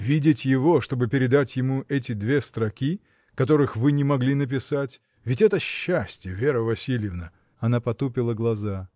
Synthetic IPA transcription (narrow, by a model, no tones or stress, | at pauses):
vʲidʲɪtʲjɪvo̞ʂt̪o̞bɨpʲɪɾʲɪd̪atʲjɪmuʔɛtʲɪd̪vʲe̞st̪ɾɐkʲi | kɐt̪o̞ɾɨxvɨnʲɪmɐɡlʲinəp̬ʲɪsatʲ | vʲɪtʲɛt̪əɕːæsʲtʲjɪvʲeɾəvɐsʲilʲjɪvnə | ɐnapɐt̪upʲɪlˠəɡlˠɐza